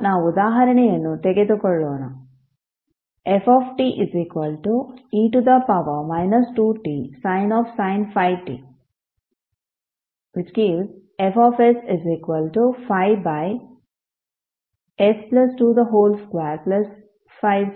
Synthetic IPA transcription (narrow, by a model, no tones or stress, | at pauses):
naːud̪aːɦɐɾɐnejenːut̪eɡed̪ukɔɭːoːnɐ | efɔːfʈiːʔiziːkʋɐlʈuiːʈud̪ɐpɐʋɐmaɪnɐsʈuːʈiːsaɪnɔːfsaɪnfaɪʋʈḭː | ʋit͡ʃkiːʋz | efɔːfesiziːkʋəlʈufaɪbaj | esplɐsʈud̪ɐɦoːlskʋaːɾplɐs | faɪʋ